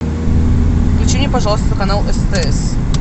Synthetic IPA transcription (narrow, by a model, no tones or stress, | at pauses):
klʲɪt͡ɕinʲɪpɐʐɑlˠəst̪vəkɐnalˠɛst̪ɛɛs